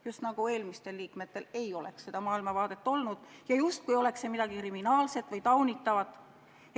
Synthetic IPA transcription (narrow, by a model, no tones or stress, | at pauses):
just̪nɑɡ̥ue̞ːlmist̪e̞lːiːkmet̪ːe̞le̞jo̞le̞̰ksse̞d̪ɑmɑːilmɑvɑːd̪̥e̞t̪ːˑo̞lnud̪̥jɑjust̪̚kujo̞le̞ksemid̪̥ɑɡ̥ikriminɑːlse̞t̪ːvɤjt̪ɑwnit̪ːˑɑvɑt̪ːˑ